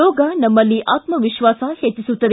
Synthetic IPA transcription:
oːɡanɐmːɐlːiːʔʔaːt̪mɐʋiʃʋaːsaheːt̪isut̪ɐɾ

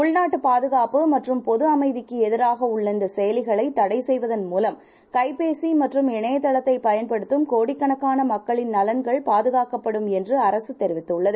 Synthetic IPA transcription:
ʊɭnaːʈːɯpaːðɯɣaːpɯmɐʈrɯmpɔðɯɐmɐɪðɪkːɯɛðɪɾaːɣɐʊɭːɐnd̪ɐsɛjɐlɪɣɐɭɐɪt̪ːɐɽɐɪsɛjʋɐðɐnmuːlɐm | kɐɪpeːsimɐʈrɯmɛɳɐjɐt̪ːɐɭɐt̪ːɐɪpːɐjɐnpɐɽɯt̪ːɯmkoːɽɪkːɐɳɐkːaːnɐmɐkːɐɭɪnnɐlɐnɡɐɭpaːðɯɣaːkɐpːɐɽɯmɛndrɯɐɾɐsɯt̪ɛɾɪʋɪt̪ːɯʊɭːɐðɯ

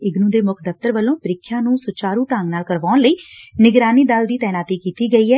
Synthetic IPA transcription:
ɪɡnũːd̪eːmʊkʰd̪əft̪əɾʋəlːõːpəɾɪkʰːjãːnũːsʊt͡ʃaːɾũːt̪aːŋɡnaːlkəɾʋaːnləiːnɪɡɾaːniːd̪ald̪iːt̪ɛːnaːt̪iːkiːt̪iːɡəiːɦɛː

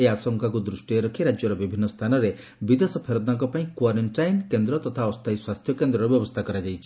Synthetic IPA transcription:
easɔŋkakud̪ɾusʈijɔɾɔkʰiɾad͡ʒjɔɾɔbibʱinːɔst̪ʰanɔɾe | bid̪esɔpʰeɾɔd̪aŋkɔpaĩkwaɾeɳʈajnkend̪ɾɔt̪ɔt̪ʰaɔst̪ʰajswast̪ʰjɔkend̪ɾɔɾɔbjɔbɔst̪ʰakɔɾad͡ʒajt͡ʃʰi̥

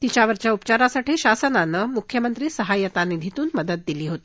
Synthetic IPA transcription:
t̪it͡ɕjaʋəɾt͡ɕjaupət͡ɕaɾasaʈʰiːɕasənanːəmukʰjəmənt̪ɾiːsəɦajət̪anid̪ʱit̪uːnməd̪əd̪̚d̪iliːɦot̪ː

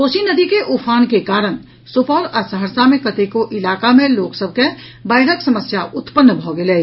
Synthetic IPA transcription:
koːsinəd̪ikeʔupʰaːnkekaːɾəñ | supɔːɾəsəɦəɾsamẽkət̪ekoʔɪlaːkamẽloːksəb̚ʱke | bəɪɾəksəməsjaʔʊt̪pənːbʱɔɡele

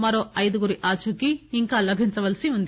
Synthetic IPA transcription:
mɐɾoːɐjd̪uɡuɾiʔaːt͡ʃukiːŋkaːlɐbʱiɲt͡ʃɐʋɐlsiund̪i

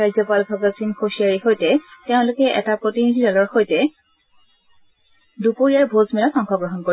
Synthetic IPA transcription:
ajzɔpalbʱaɡasinxoʃiaɹixojtɛteʊ̃lokɛʔɛ̰tapɹotinidʱidalɔɹxojtɛ | dupoɹijaɹbʱozmɛlaxɔŋxʰɔɡɹɔɦɔnkoi

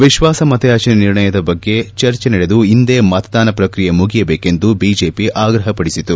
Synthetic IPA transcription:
ʋiʃʋaːsɐmɐt̪ɐjaːt͡ʃɐnɐniɾɳɐjɐd̪ɐbɐɡːe̞t͡ʃɐɾt͡ʃenɛɽe̞d̪uind̪eːmɐt̪ɐd̪aːnɐpɾɐkɾijɐmuɡijɐbeːke̞nd̪ubiːd͡ʒe̞ːpiʔaːɡɾɐɦɐpɐɽisit̪u

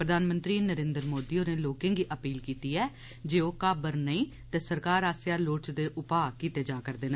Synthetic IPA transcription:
pɾəd̪ʱaːnmə̃nt̪ɾiːnəɾẽːnd̪ɾmoːd̪iːoːneːloːkẽːŋɡiːʔəpiːlkiːt̪iːɛː | d͡ʒeːoːkaːbəɾnəĩː | t̪eːsəɾkaːɾaːsjaːloːʈt͡ʃd̪eːʔʊpaːkiːt̪eːd͡ʒaːkəɾd̪eːna

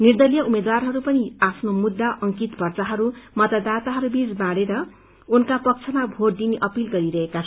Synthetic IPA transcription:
nird̪ʌlijʌumed̪warɦʌɾupʌniapʰnomud̪ːaʔʌŋkit̪bʱʌrt͡saɦʌɾumʌt̪ad̪at̪aɦʌɾubid͡zbaɽeɾʌ | unkapʌk̚t͡sʰʌmabʱoɾd̪iniʔʌpilɡʌɾiɾʌɦekat͡sʰ

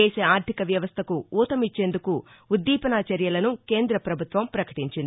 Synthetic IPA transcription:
eːseaːɾt̪ʰikɐʋjɐʋɐst̪ʰɐkuuːt̪ɐmit͡ʃːe̞ːnd̪ukuː | d̪ːiːpɐnaːt͡ʃɐɾjɐlɐnukeːnd̪ɾɐpɾɐbʱut̪ʋɐmpɾɐkɐ̥ʈiɲt͡ʃind̪ii

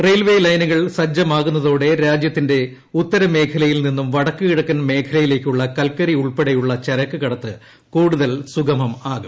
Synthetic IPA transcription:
rejlʋe̞ːlɐjnuɣɐɭsɐd͡ʑːɐmaːɣunːɐðo̞ːɽe̞ɾaːd͡ʑjɐt̪ːinde̞ | ut̪ːɐɾɐme̞ːkʰɐlɐjilninːumʋɐɽɐkːɨɣiɽɐkːɐnme̞ːkʰɐlɐjile̞ːkʲːuɭːɐkɐlkːɐɾiuɭpeɽejuɭːɐt͡ɕɐɾɐkːɨkɐɽɐt̪ːɨ | kuːɽuðɐlsuɡɐmɐmaːɣu

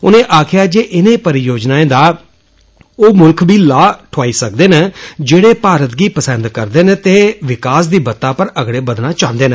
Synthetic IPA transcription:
ʊ̰nẽːʔaːkʰɪjaːd͡ʒeːʔɪnẽːpəɾɪjoːd͡ʒnaːẽːd̪aː | oːmʊlkʰbiːlaːʈʰaːiːsək̚d̪eːned͡ʒeːɽeːpaːɾət̪ɡiːpəsənd̪kəɾd̪eːnẽːt̪eːʋɪkaːsd̪iːbət̪ːãːpəɾəɡɽeːbəd̪naːt͡ʃãːnd̪eːnə

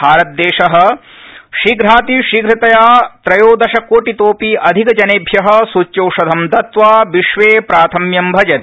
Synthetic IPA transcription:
bʱaːɾɐt̪̚d̪eːʃɐɦɐ̆ | ʃiɡɾaːt̪iʃiɡɾɐt̪ɐjaːt̪ɾɐjoːd̪ɐʃɐkːoːʈit̪oːpiːʔɐd̪ʱikɐd͡ʒɐneːbʱjɐɦɐ̆sut͡ʃːt͡ʃɐwʂɐd̪ʱɐmd̪ɐt̪ʋaːʋiʃʋeːpɾaːt̪ʰɐmjɐmbʱɐd͡ʒɐn

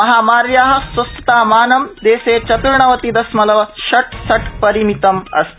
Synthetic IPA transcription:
ɐɦaːmaːɾjaːɦɐ̆sʋɐst̪ɐ̥t̪aːmaːnɐmd̪eːseːt͡ʃɐt̪uɾɳɐʋɐt̪id̪ɐsmɐlɐʋɐʃɐʈsɐʈpɐɾimit̪ɐmɐ̰st̪

